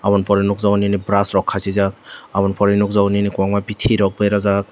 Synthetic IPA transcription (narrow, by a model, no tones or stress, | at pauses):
aβɔnpɔɾinuk̚zawninibɾasɾɔkʰːasizak̚abɔnpʰɔɾinuk̚zaninikuaŋmabitʰiɾɔk̚bɯjɾaza